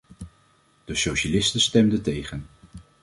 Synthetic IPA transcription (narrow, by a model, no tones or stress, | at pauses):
d̥əsowʃalɪstəstɛmdətejχən